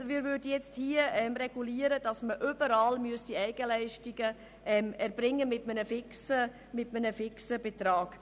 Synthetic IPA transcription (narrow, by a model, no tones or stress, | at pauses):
omɪːɾvʏɾdəjɛt͡sthiəɛmrɛɡ̥uliːəɾəd̥ɑsməʔybəɾɑːlmyəsd̥iɛɪɡ̥əlɛɪʃtiɡ̥ə | ʔɛmɛɾb̥ɾɪŋːəmɪtmənəfɪksə | mɪtmənəfɪksəbetɾɑːɡ̥